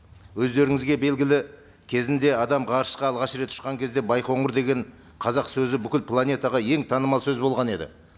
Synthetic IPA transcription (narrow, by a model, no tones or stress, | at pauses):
wɵzd̪e̞ɾɪŋɪzɡʲe̞be̞lɡʲɪlɪ | kʲʰe̞zɪnd̪e̞ɑd̪ɑmʁɑɾəʃqɑːlˠʁɑʃɾe̞t̪ʰːʊ̥ʃqɑŋkʲʰe̞zd̪e̞bɑjqʰo̞ɴʊɾd̪e̞ɡʲe̞ɴ | qʰɑzɑqsɵzɪbʏkʲɪlpʰlˠanʲe̞t̪ɑʁɑje̞ŋt̪ʰɑnəmɑlˠsɵzbo̞lˠʁɑne̞d̪ɪ̰